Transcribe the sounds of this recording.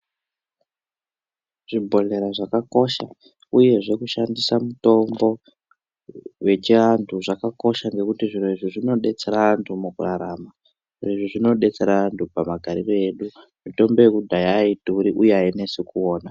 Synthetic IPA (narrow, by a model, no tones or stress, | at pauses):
ʐ̥ibʱo̞le̞ɾaʐakako̞ʃa̰ | uje̞ʐe̞kuʃandisamuto̞mbo̞ | we̞t͡ʃiantʰuʐakako̞ʃaŋɡe̞kutiʐiɾoiʐiʐino̞ɗe̞t͡se̞ɾaantʰumukuraɾama | ʐireʐiʐino̞ɗe̞t͡se̞ɾaantʰupamaɡʱaɾire̞ɗu | mito̞mbo̞jekudʱajaituɾiʔujeaine̞sikuo̞ːna